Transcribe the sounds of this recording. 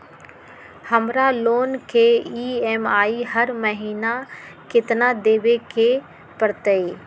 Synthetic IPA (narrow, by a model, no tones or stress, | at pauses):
hɐmɾaloːnkʰeːiːeːmaːiɦəɾməɦiːna | kɪt̪nad̪eːʋekʰeː | pəɾt̪əeː